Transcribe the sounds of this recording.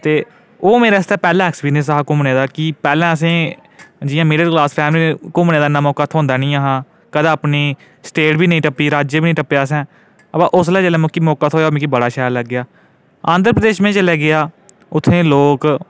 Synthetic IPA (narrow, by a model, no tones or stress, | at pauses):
t̪eː | oːmeːɾaːst̪ɛːpɛːlɛ̃ːɛksbiːnes̬aɦaːkʊmneːd̪aːkiːpɛːlɛ̃ːəs̬ẽː | d͡ʒɪjãːmɪːɖəlklaːspʰɛːmliːkʊmneːd̪aːɪnãːmɔːkaːt̪ʰõːnd̪aːnĩːaːɦãː | kəd̪ãːpniː | sʈeːʈbiːnəĩːʈəpːiːɾaːd͡ʒebiːnə̃ĩːʈəpːjaːs̬ɛ̃ː | əpãːʔʊs̬laːd͡ʒəlɛ̃ːmʊ̃ːkiːmɔːkaːt̪ʰoːjaoːmẽːkiːbəɽaːʃaːɾləɡːɪjaː | aːnd̪əɾpɾəd̪eːʃmẽːt͡ʃəlɛːɡɪaː | ʊt̪ʰːẽːloːk